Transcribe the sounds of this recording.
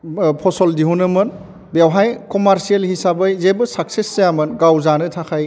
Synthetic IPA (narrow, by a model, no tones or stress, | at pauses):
pʰɔsɔldiɦunɯmɯn | bjawɦajkɔmaɾsielhisabɯjzebɯsak̚sesːejamɯnɡawzanɯtʰakʰaj